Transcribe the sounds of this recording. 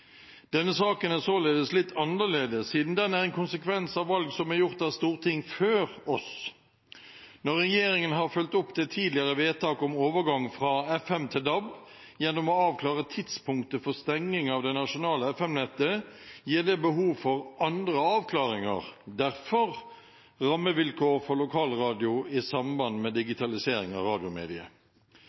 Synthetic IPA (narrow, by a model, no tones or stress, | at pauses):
d̪̥ɛnːəsɑːkənæsoːleːd̪əslɪt̪ːɑnəleːd̪əsiːd̪n̩d̪ɛnæʁɛnkʰʊnsəkʰʋɛnsɑʋːɑlɡsɔmæɾjʊʁt̪æst̪uːʁt̪ʰɪŋːføːʁɔs | nɔʁːɛjeːɾɪŋənɦɑɾfœlt̪ɔpːd̪ɛt̪ʰiːd̪lɪəʁəʋeːt̪ʰɑːkɔmoːʋəɾɡɑŋfɾɑːɛfɛmt̪ʰɪld̪ɑbjɛnːɔmɔɑːʋkʰlɑːʁət̪ʰɪt̪spʰʊŋkt̪əfɔst̪ɛŋnɪŋɑʋd̪ɛnɑʂʊnɑːləɛfɛmnɛt̪ːəjiːd̪ɛbəɦuːʋfɔʁɑnd̪ʁəɑːʋkʰlɑːʁɪŋə̰ʁd̪æʁfɔʁ | ʁɑmːəʋɪlkʰoːʁfɔʁlʊkʰɑːlʁɑːd̪ɪʊɪsɑmbɑnmɛd̪ɪɡɪt̪ʰɑlɪseːɾɪŋɑ̰ʁɑːd̪ɪʊmḛːd̪ɪə̰